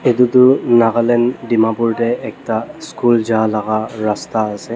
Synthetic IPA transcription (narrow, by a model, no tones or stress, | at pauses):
ed̪ud̪unaɣalɛnɖimapuɾʈɛːk̚ʈaskuld͡ʒalaɣaɾast̪aːsɛ